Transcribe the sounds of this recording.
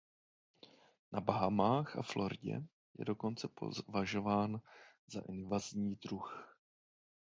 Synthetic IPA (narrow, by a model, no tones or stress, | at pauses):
nʔabaɦamaːxʔa̰flo̞ɾɪɟɛ̰ | jɛ̰do̞ko̞nt͡sɛpo̰vaʒo̞vaːnzaʔɪnvazɲiːdɾux